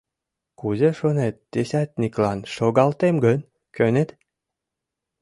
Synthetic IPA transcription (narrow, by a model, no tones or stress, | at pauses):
kuzeʃonet̪̚ːesʲæt̪̚nʲiklɑnʃoɡɑlt̪emɡən | kønet̪